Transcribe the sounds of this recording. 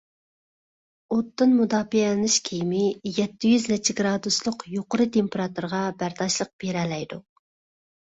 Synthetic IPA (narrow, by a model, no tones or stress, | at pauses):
ot̪ːɨnmud̪ɑːpiɛlɪnɪʃkʲʰejmɪjɛt̪ʰːɪjyznɛt͡ʃʰɪɡɾɑːd̪uslˠʊqjoqəɾɨt̪ʰempeɾɑt̪uɾʁɑbæɾd̪ɑʃlˠəq̚b̥eɾɛlɛjd̪u